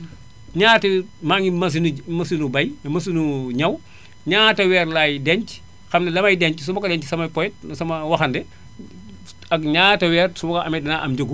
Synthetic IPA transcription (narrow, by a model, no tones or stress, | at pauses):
ɲaːtimaŋimɐs̬inumɐsinubɐjmɐsinuɲɐw | ɲaːtɐwɛːɾlaːjdɛɲt͡ʃ | xɐmnɐlɐmɐjdɛɲcis̬umbɐkɐdɛɲcisɐmɐpɔjt̚sɐmɐwɐxɐndɛ | ɐkɲaːtɐwɛːrsumɐkɐʔɐmɛdɐnaʔɐmd͡ʒoɡu